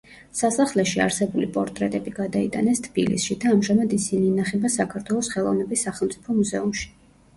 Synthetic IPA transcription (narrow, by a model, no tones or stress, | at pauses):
sasaχlɛʃia̰ɾsɛbulipʼɔɾt̪ʼɾɛt̪ʼɛbiɡad̪ait̪ʼanɛst̪ʰb̥ḭlḭsʃid̪aːmʒamad̪isiniːnaχɛbasakʰaɾt̪ʰwɛlˠɔsχɛlˠɔ̰vnɛbisːaχɛlˠmt̪sʼipʰɔmuzɛumʃi̥